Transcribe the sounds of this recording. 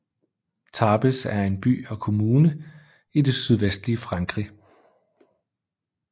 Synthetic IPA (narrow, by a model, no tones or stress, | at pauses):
t͡sʰɑ̈ːb̥əsæɐe̝nb̥y̰ːɒ̽kʰo̝muːnə | ide̝syð̞ˠʋesd̥liəfʁɑ̈ŋɡ̥ʁi